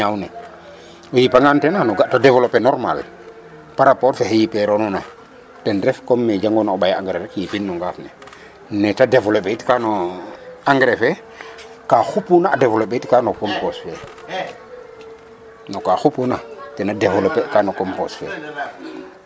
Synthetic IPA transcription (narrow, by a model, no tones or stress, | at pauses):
awnɛ | ojipaŋɡantenanoɡatadevolopenɔɾma̰l | paɾapɔtfehejipeɾonɔna | tɛnɾɛfkomːed͡ʒaŋɡonaoɓajaŋɡɾeɾekjipinːuŋɡaːfnɛ | nɛtadevolopeitkano | aŋɡɾefɛ | kaxupunaːdevolopːeitkanokomposfɛ | nokaxupunatɛnadevolopekanokomposfɛ̰